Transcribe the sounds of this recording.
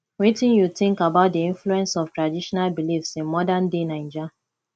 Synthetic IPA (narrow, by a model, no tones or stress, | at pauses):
wetĩnjutĩŋkabaʊt̚diĩnfluɛ̃nsɔftɹadiʃɔnalbilifsĩnmɔdãndenãɪ̃nd͡ʒa